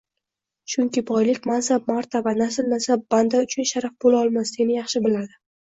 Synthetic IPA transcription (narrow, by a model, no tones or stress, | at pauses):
t͡ʃʊŋkʲɪbɒjlɪkʲmansab̚maɾt̪ʰabanasɪlnasab̚b̥and̪aʊt͡ʃʰʊnʃaɾafbolaɒlˠmasd̪enɪjɑχʃɪbɪlad̪ɪ